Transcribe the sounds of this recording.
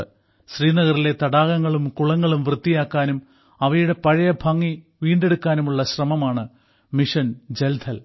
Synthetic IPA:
ɕriːnɐɣɐrile̞t̪ɐɽaːɣɐŋːɐɭumkuɭɐŋːɐɭumʋrɨt̪ːijaːkːaːnum | ɐʋɐjuɽe̞pɐɻɐjɐbʱɐŋːi | ʋiːɳɖe̞ɽukːaːnumuɭːɐɕrɐmɐmaːɳɨ | miʂɐnd͡ʑeld̪ʰʱɐl

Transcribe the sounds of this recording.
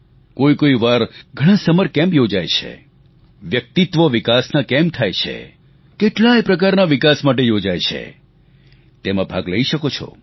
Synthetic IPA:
koikoiʋaɾɡʱəɽ̃ãsəməɾkɛ̃mbjod͡ʒajt͡ʃʰḛ | ʋjək̚t̪it̪ʋoʋikasnakɛmt̪ʰajt͡ʃʰḛ | keʈlajpɾəkaɾnaʋikasmaʈ̬ejod͡ʒajt͡ʃʰḛ | t̪emãbʱaɡləiʃəkot͡ʃʰɔ̰

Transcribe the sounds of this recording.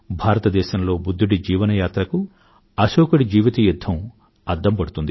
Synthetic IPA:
bʱaːɾɐt̪ɐd̪ɛːʃɐmlo̞ːbud̪ʱːuɽid͡ʒiːʋɐnɐjaːt̪ɾɐku | ɐʃoːkuɽid͡ʒiːʋit̪ɐjud̪ʱːɐm | ɐɾd̪ʱːɐmpɐɽut̪und̪i

